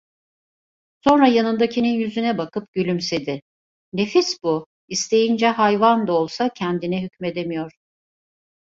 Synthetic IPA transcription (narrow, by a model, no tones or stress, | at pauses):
so̞nɾajanɯnd̪acʰininjyzynɛbakɯp̚ɟylʲymsed̪ɪ | ne̞fisbu | ist̪ʰe̞jind͡ʒɛɦajvand̪aolˠsacʰɛnd̪inɛɦycme̞d̪e̞mijo̞ɾ̥